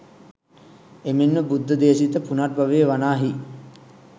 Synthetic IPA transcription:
emenːəbud̪ːəd̪eːsit̪əpunaʈ̚baʋeːʋanaːɦi

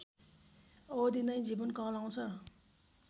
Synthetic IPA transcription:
ʌd̪ind̪ʌjd͡zibʌnkʌ̃law̃t͡sʰʌ

